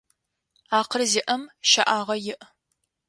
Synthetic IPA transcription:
aːqərzɪʔɐmʃɐʔaːʁɐjɪʔ

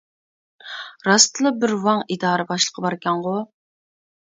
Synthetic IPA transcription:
ɾɑst̪ɨlˠəbɪɾwɑŋid̪ɑːɾɨbɑʃlˠə̥qʰəbɑɾkʲɛŋʁʊ

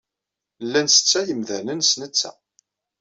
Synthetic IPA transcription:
lːænsə̥t͡sːæjəmðænənsnət͡sːæ̰

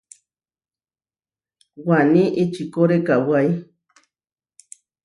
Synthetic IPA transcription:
waniʔet͡ʃikoɾekawaj

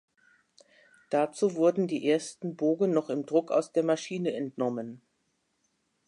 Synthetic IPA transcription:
d̥at͡suːvʊɐdn̩diːʔeːɐstn̩boːɡnɔχɪmdʁʊka̰ʊsd̥eːɐmaʃiːnəɛntnɔmən

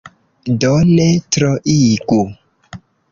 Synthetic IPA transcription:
dɔnetɾɔʔiɡu

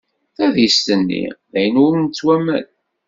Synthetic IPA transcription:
θæðjəst̪ənːḭðæjənwmnt͡sːwæmæ̰n

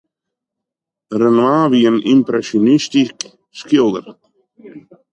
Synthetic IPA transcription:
ɾənwaviənḭmpɾɛsjonist̪ik | skod̪ə̰ɾ

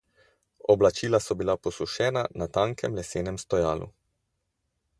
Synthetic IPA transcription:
ɔblat͡ʃiːlasɔbilapɔsuʃɛːnanat̪aːŋkɛmlɛseːnɛmst̪ɔjaːlṵ

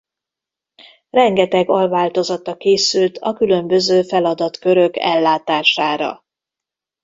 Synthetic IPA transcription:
rɛŋɡɛt̪ɛɡɒlvaːlt̪o̞zɒt̪ɒkeːsylt̪ʰɒkylø̞mbø̞zøːfɛlɒd̪ɒt̪kø̞ɾø̞kɛ̰lːaːt̪aːʃaːɾɒ̰

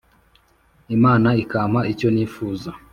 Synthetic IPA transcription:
imaːnaikaːmaico̞niːfuːza

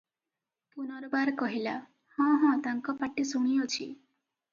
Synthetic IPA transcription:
punɔɾbaɾkɔɦila | hɔ̃ɦɔ̃t̪aŋkɔpaʈːisuɽ̃ijot͡ʃʰḭ

